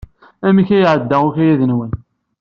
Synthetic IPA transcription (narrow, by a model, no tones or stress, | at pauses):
æmiçæjʕəd̪ːæʊçæjæðənwən